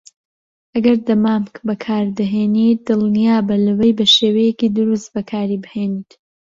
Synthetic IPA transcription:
ʔɐɡɐɾd̪ɐmaːmkbɐkʰaːɾd̪ɨɦeːnit̪̚d̪ɨlˠnijaːbɐlɐwejbɐʃeːwɐjekiːd̪ʊɾust̪̚bɐkʰaːɾibɨheːniːt̪

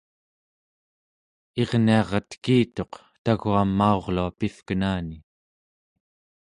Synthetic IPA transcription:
e̞ʁniɑʁɑt̪kiːt̪o̞q | t̪aɣuamːao̞ʁluapifkənaːni

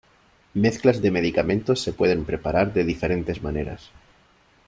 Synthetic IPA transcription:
me̞θklazðe̞me̞ðikamẽ̞nt̪o̞sːe̞pwe̞ð̞empɾe̞paɾaɾðe̞ðife̞ɾe̞nt̪e̞zmaneɾa̰s

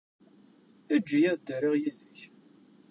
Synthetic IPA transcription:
æd͡ʒːijæðd̪əɾɪʁjiðəç

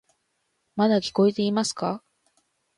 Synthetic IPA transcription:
mad̪akʲi̥ko̞e̞t̪e̞imasɨ̥ka

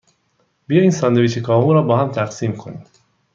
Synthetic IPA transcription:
bijɒːjiːnsɒnd̪eviʃekʰɒːɦuɾɒːbɒːhæmt̪ʰæqsiːmkʰo̞ni

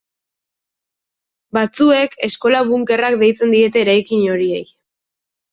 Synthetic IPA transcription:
bat͡sue̞ke̞sko̞laβuŋke̞rak̚d̪e̞jt͡se̞nd̪ie̞t̪e̞ːɾajkiɲo̞ɾie̞̰j

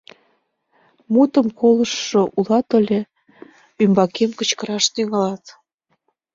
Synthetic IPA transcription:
mut̪əmkoləʃːoʔulɑt̪ə̆lʲe | ymbɑkemkə̆t͡ɕkəɾɑʃt̪yŋɑlɑt̪

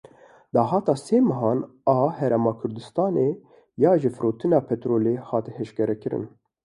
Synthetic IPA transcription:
d̪ɑːɦɑːt̪ɑːseːmɛɦɑːn | ɑːhɛɾɛmɑːkʰʊɾd̪ɨst̪ɑːne | jɑːʒɨfɨɾoːt̪ʰɨnɑːpʰɛt̪ɾoːleːhɑːt̪hɛʃkɛɾɛkɨɾɨ̰n

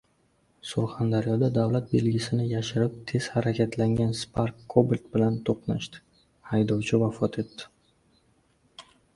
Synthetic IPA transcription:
sʊɾχand̪aɾjɒd̪ad̪avlat̪̚be̞lɡʲɪsɪnɪjaʃɪɾɪp̚t̪ʰe̞z̥haɾakʲʰat̪laŋɡʲanspʰaɾkːobɪlʲt̪bɪlant̪ʰoqnaʃt̪ɪ̥ | hajd̪ɒwt͡ʃʰɪvafɒt̪ʰe̞t̪ːɪ̥

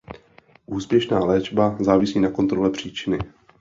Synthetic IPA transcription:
ʔuːspjɛʃnaːlɛːd͡ʒbazaːvɪsiːnako̞nt̪ɾo̞lɛpr̝̥iːt͡ʃɪnɪ

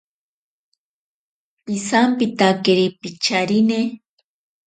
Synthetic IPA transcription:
pisampit̪akeɾipit͡ʃaɾine

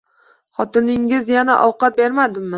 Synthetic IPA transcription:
χɒt̪ɪnɪŋɪzjanaʔɒwqɑt̪̚be̞ɾmad̪ɪmːɪ

